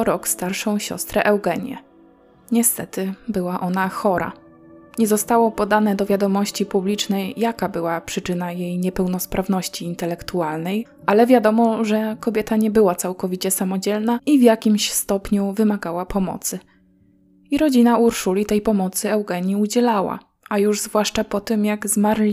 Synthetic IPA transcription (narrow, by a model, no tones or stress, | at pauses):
ɾɔkst̪aɾʂɔ̃w̃ɕɔ̰st̪ɾɛʔɛwɡɛɲjɛ̰ | ɲɛst̪ɛt̪ɘbɘwaʔɔn̪axɔɾa̰ | ɲɛzɔst̪awɔpɔd̪anɛd̪ɔvʲjad̪ɔmɔɕt͡ɕipublʲit͡ʂnɛjːakabɘwapʂɘt͡ʂɘnajejɲɛpɛwnɔspɾʔavnɔɕt͡ɕiːnt̪ɛlɛkt̪ualnɛj | ʔalɛvʲjad̪ɔmɔʐɛkɔbʲjɛt̪aɲɛbɘwat̪sawkɔvʲit͡ɕɛsamɔd͡ʑɛlnaivʲjakʲimɕst̪ɔpɲuvɘmaɡawapʰɔmɔ̰t̪sɘ | iɾɔd͡ʑinauɾʂulʲit̪ɛjpɔmɔt̪sɘɛwɡɛɲiud͡ʑɛlawa̰ | ajuʐzvwaʂt͡ʂapɔt̪ɘmjaɡzmaɾlʲi